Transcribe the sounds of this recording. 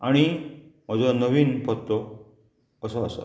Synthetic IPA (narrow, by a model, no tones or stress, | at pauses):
aɽ̃im̤əd͡zənəʋiːnpət̪ːo | əsəːsə̰